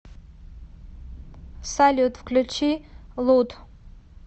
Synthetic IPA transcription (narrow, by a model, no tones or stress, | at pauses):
salʲut̪ʰʼfkʰlʲut͡ʃʰilut̪ʰʼ